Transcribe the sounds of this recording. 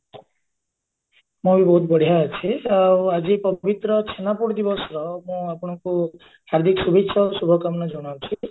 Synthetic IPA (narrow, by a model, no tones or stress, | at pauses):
mũbibɔɦut̪bɔɽ̤ijaət͡ʃʰiawad͡ʒipɔbit̪ɾɔt͡ʃʰenapuɽd̪ibɔsɾɔmũapɔɽ̃ɔku | haɾd̪ʱikɔsubʱikʃʰɔsubʱɔkamnɔd͡ʒɔɽ̃aɾt͡ʃʰi